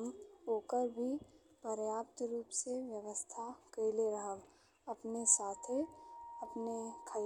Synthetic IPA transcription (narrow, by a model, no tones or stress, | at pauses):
moːkəɾbʱi | pəɾjaːpt̪ɾuːpseʋjəʋəst̪ʰakeleɾəɦəl | ɐpnesaːt̪ʰeɐpnekʰə